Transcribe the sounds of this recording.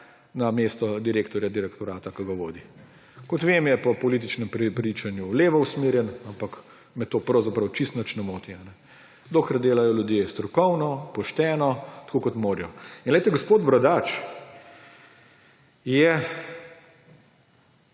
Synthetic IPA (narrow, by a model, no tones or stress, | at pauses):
nameːst̪ɔd̪iɾeːkt̪ɔɾjad̪iɾɛkt̪ɔɾaːt̪akɐɡaʋoːd̪i | kɔt̪ʋeːmjɛpɔpɔliːt̪̬it͡ʃnɛmpɾpɾiːt͡ʃanjuleːʋɔusmeːɾjɛnampak | mɛt̪oːpɾɐwzapɾɐwt͡ʃist̪nət͡ʃnɛmoːt̪ianɛ | d̪oːkɾad̪eːlajɔljud̪jest̪ɾɔkɔwnɔpɔʃt̪ɛːnɔt̪kʰoːkɔt̪moːɾjɔinlɛɪt̪ɛɡɔspoːd̪bɾɐd̪aːt͡ʃ | jɛ